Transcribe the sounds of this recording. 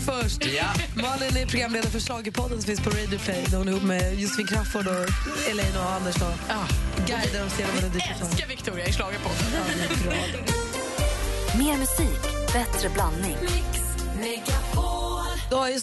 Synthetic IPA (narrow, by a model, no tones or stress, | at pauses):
fœʂʈmɑːlɪnɛɾpʰɾʊɡɾamːleːd̪aɾfœɾʂlɑːɡəɾpʰɔd̪ːənsɔ̃fɪnspʰɔɾɛjd̪ɪʊpʰlɛjd̪ɛhʊnəɾhuːpːmɛjʊsfiːnkʰɾafɔɖɔɛlɛjnɔand̪əʂd̪ɔ | ɡajd̪aɾɔseːlamɛd̪ɛd̪ɪtːatɔavɪkt̪ʰuːɾɪaɪʂlɑːɡəɾpʰɔd̪əamɪɾɔd̪ | meːɾmɵsiːkbɛt̪ɾəblanːɪŋ | lɛɡapo | d̪ɔhaɾj